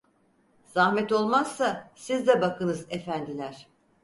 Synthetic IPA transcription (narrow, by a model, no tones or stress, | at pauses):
z̥ahmɛt̪o̞lˠmaz̥ːasizd̪ɛbakʰɯnɯzefænd̪ilʲæɾ̝̥